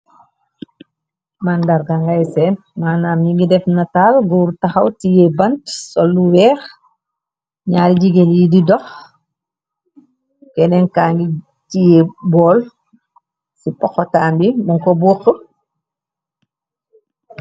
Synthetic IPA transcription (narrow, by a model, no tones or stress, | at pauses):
mandaɾɡaŋɡajsɛn | maːnaːmɲiŋɡidɛfnɐtaːlɡuːɾtaxawtijɛbɐntsɔlːuwɛːx | ɲaːɾid͡ʒiɡeljididɔx | kɛnɛnkaːŋɡi | tijɛbɔːl | sipɔxːɔtaːmbimuŋkɔbuxu